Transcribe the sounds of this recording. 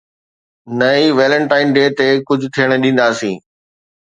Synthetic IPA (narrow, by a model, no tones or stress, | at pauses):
nɐiʋeːlə̃ɳʈaːɪnɖeːt̪ekʊd͡ʑʱʊt̪ʰijəɽ̃ɗĩːn̆d̪aːsĩː